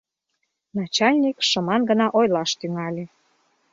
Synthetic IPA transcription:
nɑt͡ɕɑlʲnʲikʃəmɑnɡə̆nɑʔojlɑʃt̪yŋɑlʲe

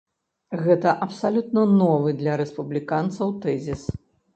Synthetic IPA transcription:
ɣɛt̪ɐʔɐpsalʲut̪nɐnɔvɨd̪lʲɐɾɛspublʲikant̪sɐwt̪ɛzʲis

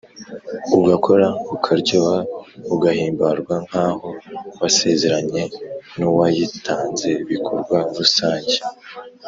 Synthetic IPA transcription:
uɡakʰo̞ɾaukʰaɾɟoβauɡahiːmbaɾɡwaŋ̥haːho̞wase̞ze̞ɾaɲe̞nuwajitʰaːnze̞iβikʰoɾɡwaɾusaːɲɟe

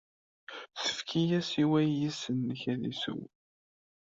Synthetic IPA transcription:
θə̥fkʰijæsiwæjisənːəçæðḭsṵw

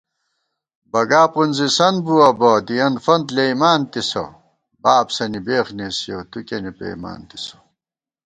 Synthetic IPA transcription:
bɐɡaːpunzisɐnbuɐbɐd̪ijɐnfɐnd̪leimaːnt̪iso̰ | baːbsɐnibeːxnesijot̪ukenipḛima̰ːnt̪i̥so̥

